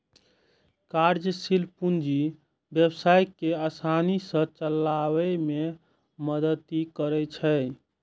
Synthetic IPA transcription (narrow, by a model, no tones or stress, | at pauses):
kaɾd͡ʒəsilpund͡ʒi | bjebsajkeasanisə̃t͡ʃəlːawɛme | məd̪ət̪ikəɾɛt͡ʃʰə